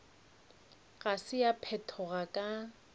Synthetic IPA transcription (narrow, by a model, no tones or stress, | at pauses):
ɣasɪjapʰɛtʰɔɣakʼa